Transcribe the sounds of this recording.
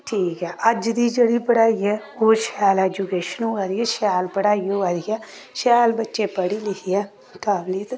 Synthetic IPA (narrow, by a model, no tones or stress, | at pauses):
ʈʰiːkɦɛːʔəd͡ʒd̪iːd͡ʒeːɽiːpəɽaːiɛː | oːʃaːlɛːd͡ʒukeːʃənũːʋaːɾiːɛːʃaːlpəɽaːioːʋaːɾiɛː | ʃaːlbətːʃepəɽiːlɪkiɛː | kaːbliːt̪